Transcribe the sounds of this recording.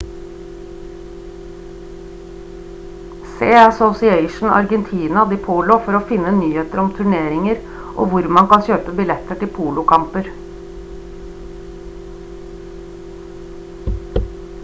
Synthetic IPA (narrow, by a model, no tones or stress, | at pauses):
seːəsɔsɪeɪʃn̩ɑ̰ɾɡɛnt̪ʰiːnɑd̪iːpʰuːlʊfɔɾoːfɪnːənyːheːt̪əɾɔmt̪ʰʉɳeːɾɪŋəɾ | ʔo̰ːʋʊɾmɑnkɑnçøːpəbɪlɛt̪əʈɪlpʰuːlʊkʰɑmpəɾ